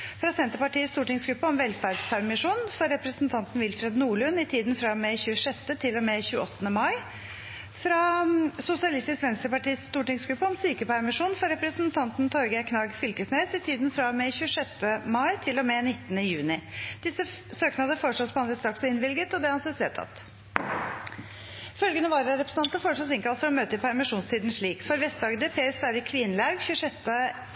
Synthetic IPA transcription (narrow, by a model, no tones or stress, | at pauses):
fɾɑsɛnt̪əɾpɑʈiːəst̪uːʈɪŋsɡɾʉpːəɔmʋɛlfæːɾɖspʰæɾmɪʂuːnfɔɾːɛpɾəsn̩t̪ʰɑnt̪n̩ʋɪlfɾɛd̪nuːɭʉnɪt̪ʰiːd̪nfɾɑmɛçʉːəʂɛt̪ːət̪ʰɪlːɔmɛçʉːəɔt̪ːənəmɑɪ | fɾɑsʊsɪɑlɪst̪ɪskʋɛnst̪ɾəpɑʈiːəsst̪uːʈɪŋsɡɾʉpːəɔmsyːkəpʰæɾmɪʂuːnfɔɾɛpɾəsnt̪ʰɑnt̪nt̪ʰɔɾɡəkʰnɑːɡfʏlkəsneːsɪt̪ʰiːd̪nfɾɑmɛçʉːəʂɛt̪ːəmɑɪt̪ʰɪlːɔmɛnɪt̪ːənəjʉːnɪd̪̥ɪsəsøːknɑd̪əfoːɾʂɔspɔɑnʋɛːst̪ɾɑksɔɪnʋɪlɡət̪ɔd̪ɛhɑnsesʋeːt̪ʰɑ̰t̪ | fœlɡənəʋɑːɾɑɾɛpɾəsn̩ɑnt̪əfoːɾʂɔsɪŋkɑlfɔɾɔmøːt̪əɪpʰæɾmɪʂuːnst̪iːd̪n̩ʂɭiːkfɔɾʋɛst̪̚d̪ɑːɡəd̪əpʰeːsʋæːɾəkʰʋɪnːəlɑɾɡçʉəʂɛt̪ːə